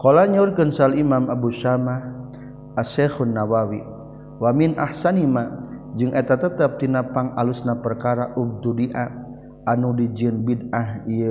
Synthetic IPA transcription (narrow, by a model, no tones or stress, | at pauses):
kolaɲurkənsalimamabuʃamah | asɛxunːawawi | waminʔa̰hsanimad͡ʒɨŋʔɛt̪at̪ət̪əp̚t̪inapaŋalusnapərkaɾaʔub̚d̪udiʔa | ʔanudid͡ʒiənbidaɦiə